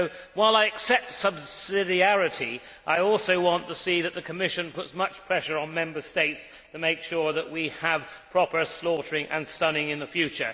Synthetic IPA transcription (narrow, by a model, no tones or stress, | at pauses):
ʊwaɪlˠaɪɨksɛp̚tsʌbsɪɾiæɹɨɾi | ʔaɪɔlˠsoʊwɑ̃ntʰəsiðɨt̪̚ðɨkʰɨmɪʃɨ̃npʊtsmʌt͡ʃpʰɹ̥ɛʃə˞ə̃nmɛ̃mbə˞steɪts | tʰɨmeɪkʃʊɹðəʔwiəv̥pʰɹ̥ɑpə˞slɔɾə˞ɪ̃ŋʔɨ̰̃nstʌnɪ̃ŋɨ̃nðəfjʉt͡ʃə̰˞